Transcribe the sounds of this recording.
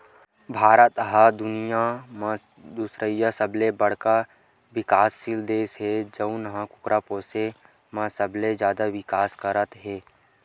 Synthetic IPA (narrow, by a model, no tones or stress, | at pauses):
bʱaːɾət̪ɦad̪ʊnijamã | d̪usɾəjəsəblebəɽ̤ka | wɪkaːsːild̪eːsɦed͡ʒəʊ̃nɦãkʊkɾʔapoːse | mãsəbled͡ʒjaːd̪aʋɪkaːskəɾət̪ɦeː